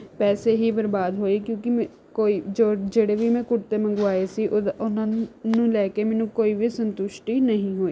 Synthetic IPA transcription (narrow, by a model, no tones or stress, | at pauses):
pɛːseːɦiːbəɾbaːd̪ɦoːiːkjõːkɪm | koːiːd͡ʒoːd͡ʒeːɽeːʋiːmɛ̃ːkʊʈt̪eːmə̃ŋɡʊʋaːeːsiːʔʊnãːnũːlɛːkeːmɛ̃ːnũːkoːiːʋiːsənt̪ʊʃʈiːnəɦĩːɦoːiː